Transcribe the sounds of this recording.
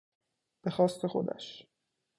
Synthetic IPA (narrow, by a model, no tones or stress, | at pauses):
b̥exɒːst̪ʰe̞xo̞̰d̪æ̰ʃ